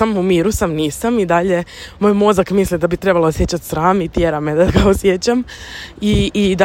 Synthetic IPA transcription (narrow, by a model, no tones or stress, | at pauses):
amumiːɾusamniːsamid̪aʎe̞moːjmo̞zakmislid̪abit̪ɾe̞baloosjet͡ɕat̪sɾaːmit̪jeːɾamed̪aɡaosjet͡ɕamid̪a